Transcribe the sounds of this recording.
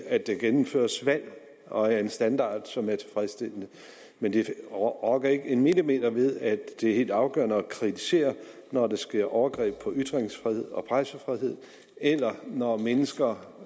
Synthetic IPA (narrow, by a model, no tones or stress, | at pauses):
æ̥d̥eɡ̥enm̩fø̰ːɐsʋæl̰ | ɒ̽æɐe̝nsd̥ænd̥ɑ̰̈ːd̥sɒ̽mæɐt͡sʰe̝fʁɛsd̥el̰ənə | mend̥e̝ʁɒɡ̥ɐe̝ɡ̥əe̝nmelime̝̰ːd̥ɐʋe̝ð̞ˠæd̥e̝æhe̝̰ld̥ɑ̈ʊɡ̥œ̰ɐnəɒkʰʁit͡sʰi̥se̝̰ːɐ | nɒd̥esɡ̥e̝ɐ̰ʔɒʊɐɡ̥ʁɛ̰ːb̥̚pʰɒ̽yd̥ʁeŋsfʁihe̝ð̞̰ˠɒ̽pʰʁɑɪsəfʁiɦe̝ð̞̰ˠ | elɐnɒmenəsɡ̥ɐ